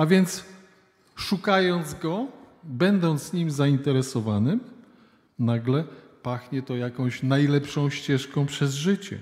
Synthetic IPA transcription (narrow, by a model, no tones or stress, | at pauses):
avʲjɛnt̪s | ʂukajɔnd̪zɡɔbɛnd̪ɔnt̪sɲimzaint̪ɛɾɛsɔvanɘm | naɡlɛpaxɲɛt̪ɔjakɔ̃w̃ɕnajlɛpʂɔ̃w̃ɕt͡ɕɛʂkɔ̃w̃pʂɛzʐɘt͡ɕɛ̰